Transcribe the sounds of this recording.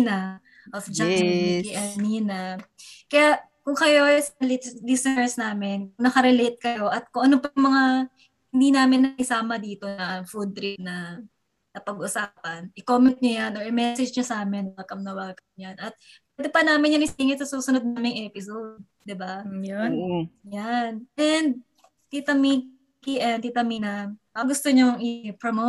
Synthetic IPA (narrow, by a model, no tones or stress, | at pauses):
nɐ | ʔot͡ʃaiʔɐniːnɐkɐjaʔ | kʊŋkɐjosɐlilisnɛɹsnaːmɪnknɐkɐɾɛlejt̪̚kɐjo̞ʔɐt̪̚kʊŋʔɐnopɐjʊŋmɐŋa | ɪnd̪iːnaːmɪnːɐʔɪsaːmɐd̪iːt̪o̞nɐʔɐŋfud̪̚t̪ɾip̚nɐ | nɐpɐɡʔʊsaːpɐnʔɪkoːmɛnt̪̚ɲojanʔoɹʔɪmɛsɛd͡ʒɲɐsaːmɪnwaːkɐmnɐwaːkɐmɲanʔɐt̪̚pɛːd̪ɪpɐnaːmɪnjɐnɪsiːŋɪt̪sɐsuːsʊnod̪̚naːmɪŋʔɛpɪsowdd̪̚ | d̪ɪbajonjanʔɛnd̪̚ | t̪it̪ɐmi | kiʔɛnt̪it̪ɐminɐmɐɡʊst̪oɲoŋʔɪpɹomo